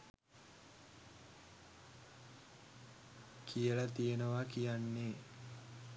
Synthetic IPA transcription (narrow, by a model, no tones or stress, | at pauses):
kʰijələt̪ijenəʋakijanːe